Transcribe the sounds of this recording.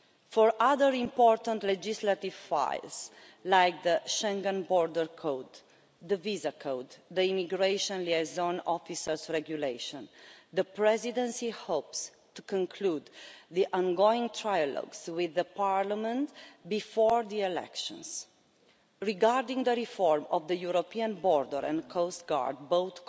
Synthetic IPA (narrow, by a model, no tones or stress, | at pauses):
fɔɹʔaðəɹĩmpɔɾt̪ə̃nt̪lɛd͡ʒislat̪ivfa̰jls | lajk̚d̪əʃɛ̃ŋɡə̃nbɔɹd̪əɹkʰowd̪ | d̪əvizakʰowd̪d̪əimiɡɹeʃɔ̃nliazõnɔfisəɹsɹɛɡjuleɪʃɔ̃nd̪əpɹɛzid̪ɛ̃nsihops | t̪ukɔ̃ŋkʰlud̪ðiʔɔ̃nɡoĩŋt̪ʰɹajalɔ̰ɡzwiðəpaɹlamə̃nt̪bifɔɹðiɛlɛ̰kʃɔ̰̃ns | ɹiɡaɾd̪ĩŋd̪əɾifɔɹmɔvd̪əjuɾopiãnbɔɾd̪əɾɛ̰̃nkʰost̪ɡa̰ɹd̪̚bowθ